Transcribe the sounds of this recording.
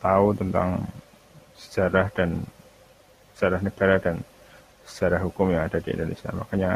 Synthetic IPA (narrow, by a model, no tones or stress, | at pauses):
t̪aut̪ənt̪a̰ŋ | sə̥d͡ʒaɾahd̥an | sə̥d͡ʒ̥aɾahnəɡ̥aɾadan | sə̥d͡ʒaɾahɦukʊmjaːd̥adiʔḭndonḛsia̰ma̰kaɲa